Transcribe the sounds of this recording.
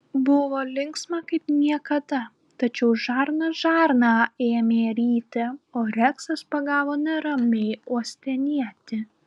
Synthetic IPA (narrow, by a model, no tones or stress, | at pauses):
bʊʋoːlʲɪŋksmɑkɐɪpnʲiɛkɐd̪ɐ | t̪ɐt͡ʃʲɛʊʒɑːɾnɐʒɑːɾnɑːeːmʲeːɾʲiːt̪ʲɛoːɾʲɛksɐspɐɡɑːʋoːnʲɛɾɐmʲɛɪuɔsʲt̪ʲɛnʲiɛt̪ʲɪ